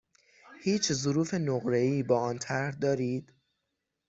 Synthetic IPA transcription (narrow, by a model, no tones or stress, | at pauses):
hiːt͡ʃʰzoɾuːfe̞noɣɾe̞iːbɒːɒːnt̪ʰæɾhd̪ɒːɾiːd̪̥